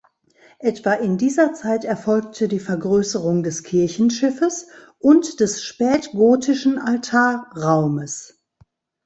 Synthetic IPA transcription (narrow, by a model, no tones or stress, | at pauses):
ʔɛtv̥aʔɪndiːzɐt͡saɪtɛɐfɔlktʰədiːfɛɐɡʁøːsəʁʊŋdɛskʰɪɐçn̩ʃɪfəs | ʔʊntd̥ɛsʃpɛːtɡ̥oːtʰɪʃn̩altʰaːɐʁaʊməs